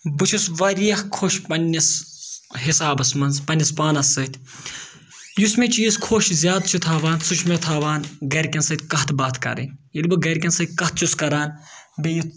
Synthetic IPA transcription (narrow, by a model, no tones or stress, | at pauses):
bɨt͡ʃʰusʋɐɾijɐxkʰoːʃpɐnʲːɐs | ɦisaːbɐsmɐnzpɐnʲːɐspaːnɐsːɐt̪ʲʰ | jusmʲet͡ʃʰijiskʰoːʃzʲjaːd̪t͡ʃʰut̪ʰaːʋaːnsut͡ʃʰmʲet̪ʰaːʋaːnɡɐɾʲkʲɐnsɐt̪ʲkɐɦt̪ʰbaːt̪ʰkɐ̰ɾɐ̰nʲilʲbɨɡɐɾʲkʲɐnsɐt̪̚ʲkɐht̪̚ʰt͡ʃʰuskɐɾaːnbeju